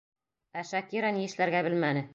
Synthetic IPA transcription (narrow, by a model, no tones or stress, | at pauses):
æʃækiɾɑnijɘ̆ʃlæɾɡæbɘlmænɘ